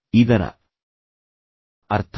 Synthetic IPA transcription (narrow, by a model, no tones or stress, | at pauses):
id̪ɐnɐ̰ | ɐɾt̪ʰ